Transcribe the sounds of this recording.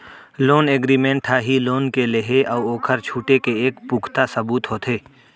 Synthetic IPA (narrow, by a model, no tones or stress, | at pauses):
loːneːɡɾiːmẽːɳʈʰaːɦiloːnkeleɦeʔɔːoːkʰəɾt͡ʃʰuːʈekeeːkpuːkʰt̪asɐbuːt̪ɦoːt̪ʰeː